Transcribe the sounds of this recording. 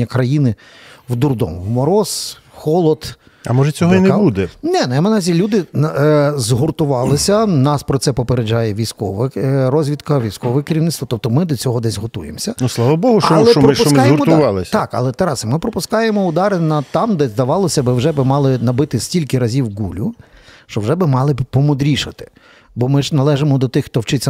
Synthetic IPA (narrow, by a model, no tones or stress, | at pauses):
ɐkɾɐjinɪ | wd̪urd̪ɔ̰mʊwmɔɾɔs | xɔlˠɔd̪ | ɐ̰mɔʒɛt͡sʲɔɦɔinɛbud̪ɛnɛnɛɐmenɐzʲilʲud̪ɪ | zɦʊrt̪ʊʋɑlˠɪsʲɐnɑspɾɔt̪sɛpɔpeɾed͡ʒɑjɛʋʲijsʲkɔʋɛɾɔzʲʋʲid̪kɐʋʲijsʲkɔʋʋɛkɪɾʲiʋnɪt̪st̪ʋɐt̪ɔp̚t̪ɔmɪd̪ɔt͡sʲɔɦɔd̪ɛsʲɦɔt̪ujḛmsʲɐʊslˠɑʋɐbɔɦʊɔlˠɛɔɔʊsmkjeʊɾmɔt̪ʊʋɑlˠɪsʲt̪ɑkɐ̰lˠɛt̪ɛɾɑsmɪpɾɔpʊskɑjemɔʊd̪ɑɾɪnɐt̪ɑmd̪ɛzd̪ɐʋɑlˠɔsʲɐbɪwʒɛbɪmɑlˠɪnɐbɪt̪ɪsʲtʲilʲkɪɾɐzʲiwɡulʲʊ | ʃt͡ʃɔwʒɛbɪmɑlˠɪbpɔmɔd̪ɾʲiʃɐt̪ɪ̥ | bɔmɪʒnɐlˠɛʒemɔd̪ɔt̪ɪxt̪ɔwt͡ʃɪt͡sʲːɐ